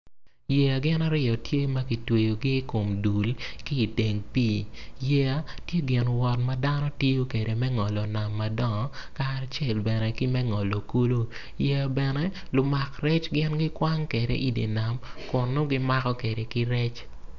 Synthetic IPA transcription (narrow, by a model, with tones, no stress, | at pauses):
jɛ˨a˨ɡɪ˦na˦ɾɪ˦ɔ˨tje˦mɐ˦ki˨twe˨jo˨ɡɪ˦ko˨mdu˨lki˦˨te˨ŋpiː˦jɛ˦a˦tje˦ɡɪ˨nwɔ˨tmɐ˦da˦nɔ˦tji˦jo˦ke˨ɾe˨mɛ˦ŋɔ˨lɔ˨na˨mːa˨dɔ˦ŋ˨ka˦t͡ʃɛ˦˨lbɛ˨nɛ˨ki˦mɛ˦ŋɔ˨lɔ˨ku˦lo˦ | jɛ˦a˨bɛ˨nɛ˦lʊ˨ma˨kɾɛ˦t͡ʃɡɪ˦nɡɪ˦kwa˦ŋke˨dḛ˦ʔi˦dḛ˨na˨mkʊ˨nːo˦ɡɪ˦ma˦kɔ˦ke˨ɾe˨kɪ˦ɾɛ˦t͡ʃ